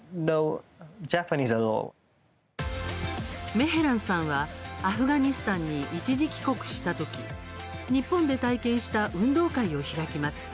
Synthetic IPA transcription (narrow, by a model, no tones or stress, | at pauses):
noʊd͡ʒapənizəlɔ̰l | me̞ɦe̞ɾãɰ̃sãɰ̃βaːɸɯ̟ɡaɲ̟isɨ̥t̪ãɲ̟ːiʔit͡ɕiʑikʲi̥ko̞kɯ̟̥ɕi̥t̪at̪o̞kʲi | ɲ̟ipːõnd̪e̞t̪aikẽ̞ɰ̃ɕi̥t̪aʔɯ̟̃nd̪o̞ːkaio̞çiɾakʲimasɨ̥